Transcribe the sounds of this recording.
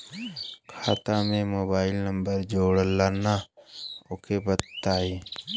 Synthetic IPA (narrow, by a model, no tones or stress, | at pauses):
kʰaːt̪ãmẽmoːbaːɪlnəmbəɾd͡ʒoːɽəlaːna | okʰebət̪ːaːe